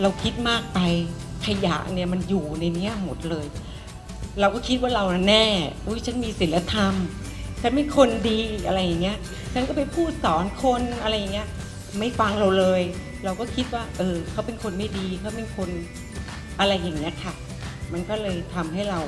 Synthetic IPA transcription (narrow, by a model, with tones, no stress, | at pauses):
ɾa˧wkʰi˦˥t̪̚maː˥˩k̚pa˧jkʰa˧ja̰˨˩ʔni˥˩ɐma˧njuː˨˩na˧jni˦˥ɐmo˨˩t̪̚lɤː˧j | ɾa˧wkɔː˥˩kʰi˦˥t̪̚waː˥˩ɾa˧wna˧˩nɛː˥˩ʔu˦˥˩jt͡ɕʰa˦˥nmiː˧si˨˩˦la˦˥t̪ʰa˧m | t͡ɕʰa˦˥npe˧nkʰo˧ndiː˧ʔa˧ɾa˧jːa˨˩ŋːi˦˥ɐʔ | t͡ɕʰa˥nkɔː˥˩pa˧jpʰuː˥˩t̪̚sɔː˩˦nkʰo˧nʔa˧ɾa˧jːŋːi˦˥ɐ | ma˥˩jfa˧ŋɾa˧wlɤː˧j | ɾa˧wkɔː˥˩kʰi˦˥t̪̚waː˥˩ʔɤː˧kʰa˦˥˩wpe˧nkʰo˧nma˥˩jdiː˧kʰa˦˥˩wpe˧nkʰo˧n | ʔa˧ɾa˧jːa˨˩ŋːi˦˥ɐkʰa˥˩ | ma˧nkɔː˥˩lɤː˧jt̪ʰa˧mɦa˥˩jɾa˧w